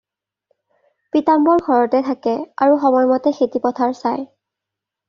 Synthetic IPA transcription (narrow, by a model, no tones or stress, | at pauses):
pitambɔɹɡʱɔɹɔtɛtʰakɛaɹuxɔmɔjmɔtɛxetipɔtʰaɹsaj